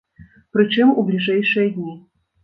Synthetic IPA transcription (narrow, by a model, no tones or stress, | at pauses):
pɾɨt͡ɕimṵblʲiʐajʂɨjəd̪ʲnʲi